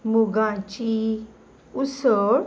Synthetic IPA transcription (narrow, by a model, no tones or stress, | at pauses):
muɡãt͡ʃi | usəɾ